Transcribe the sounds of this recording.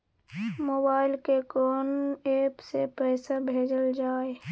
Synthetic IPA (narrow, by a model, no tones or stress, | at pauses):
moːbaːɪlkekɔːneːpsepɛːsabʱeːd͡ʒəld͡ʒaːe